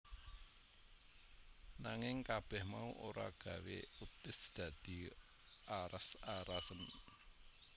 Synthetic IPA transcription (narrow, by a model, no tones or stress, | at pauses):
naŋɪŋkab̥ɛhmauʔoɾa̰ɡ̥ä̤wḛut̪ɪsd̪̥ä̤d̪̥i̤ | aɾasaɾasən